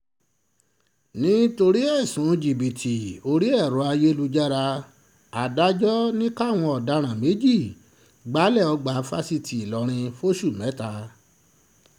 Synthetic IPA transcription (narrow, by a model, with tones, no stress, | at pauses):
nĩ˦to˧ɾi˦ɛ˦˨sũ˨˦d͡ʒi˨bi˨tʰi˨o˧ɾi˦ɛ˦˨ɾũ˨˦a˧je˦lu˧d͡ʒa˦ɾa˧ | a˨da˦d͡ʒɔ˦nĩ˦ka˦˨w̃ɔ̃˧ɔ˨da˨˧ɾ̃ã˨me˨˦d͡ʒi˦˨ | ɡ͡ba˨˦lɛ˦˨ɔ˧ɡ͡ba˨˦fa˦si˧ti˨i˨lɔ˨˦ɾ̃ĩ˧fo˦ʃu˦˨mɛ̃˨˦ta˧˦